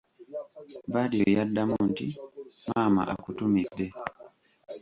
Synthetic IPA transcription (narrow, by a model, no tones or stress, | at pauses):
badojadːamuntimama̰ʔakutumik̚dɛ